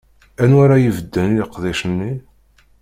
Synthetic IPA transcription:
ænwaɾajivəd̪ːəniləqːðˤiʃənːi

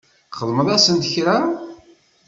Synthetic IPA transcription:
χəðˤməðˤæsənt̪əçɾæ

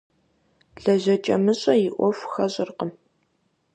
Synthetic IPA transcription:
ɮɐʒɐt͡ʃʼɐmɨɕʼɐjɪʔʷɔfxɐɕʼɪrqəm

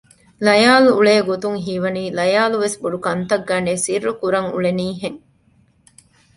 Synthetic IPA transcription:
lɐjaːluːɭeːɡot̪uŋɦiʋɐniːlɐjaːluʋesbuɖukɐnt̪ɐɡːɐːneːsirːukuɾɐŋṵɭeniːɦeŋ

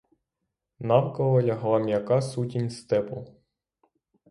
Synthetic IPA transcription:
nɑwkɔʋɔjɐɦlˠɑmʲjɐkɑsutʲinʲst̪ɛpɔ

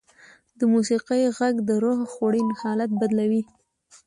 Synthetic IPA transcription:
d̪əmusiqəjɣaɡd̪əɾohxoɽinhɑlat̪̚bad̪lawi

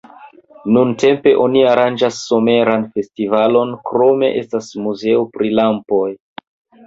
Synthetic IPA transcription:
nunte̞mpe̞ʔo̞niaɾand͡ʒasːo̞me̞ɾanfe̞stivalo̞nkɾo̞me̞̰ʔestasmuze̞opɾilampo̞j

